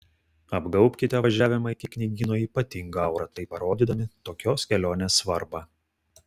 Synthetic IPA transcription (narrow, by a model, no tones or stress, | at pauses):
ɐbɡɐʊpʲkʲɪt̪ʲɛʋɐʒʲæːʋʲɪmɐɪkʲɪknʲɪɡʲiːnoːiːpɐt̪ʲɪŋɡɐɐʊɾɐt̪ɐɪpɐɾoːd̪ʲiːd̪ɐmʲɪt̪oːkʲoːskʲɛlʲoːnʲeːsʋɐɾbɑː